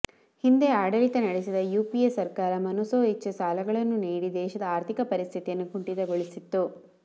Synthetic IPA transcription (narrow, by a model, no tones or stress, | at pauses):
hind̪e̞aːɽɐlit̪ɐnɐɽesid̪ɐjuːpiesɐɾkaːɾɐmɐnusoːɦit͡ʃːɐsaːlɐɡɐɭɐnːuniːɽid̪ɛːʃɐd̪ɐaːɾt̪ʰikɐpɐɾist̪ʰit̪ijɐnːukuɳʈid̪ɐɡoɭisit̪ːu